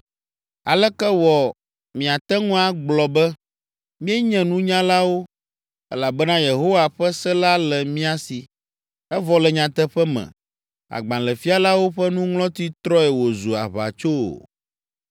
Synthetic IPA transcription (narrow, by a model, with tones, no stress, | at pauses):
a˨lɛ˦kɛ˦wɔ˨ | mĩ˨a˨t̪ɛ˦ŋũ˦a˦ɡ͡blɔ˨bɛ˦ | mĩ˦ɛ˦ɲɛ̃˨nũ˦ɲã˦la˦wo˦ | ɛ̰˦la˨bɛ˦nã˦je˨ɦo˦wa˨ɸɛ˦sɛ˦la˦lɛ˨mĩ˦a˨si˨ | ɛ˦vɔ˨lɛ˨ɲã˨t̪ɛ˦ɸɛ˦mɛ̰̃˨ | a̰˨ɡ͡bã˨lɛ˨fi˦a˦˨la˦wo˦ɸɛ˦nũ˦ŋlɔ̃˦t̪i˦t̪ɾɔ˦ɛ˨wo˨zu˨a̰˨βa̰˨t͡ʃo̰˦˨